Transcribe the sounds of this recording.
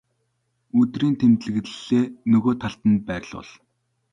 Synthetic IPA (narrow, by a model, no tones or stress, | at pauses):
ɵt̪riːnt̪ʰemt̪ɮɘ̆ɣt̪ɘ̆ɮeːnɵɣoːt̪ʰaɬt̪ə̆npæːrʲɮʊ̰ɮ